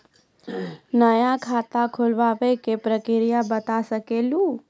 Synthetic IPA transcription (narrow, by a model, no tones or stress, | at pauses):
nəjakʰaːt̪akʰolʋaʋekepɾəkɪɾijabət̪asəkeːlũ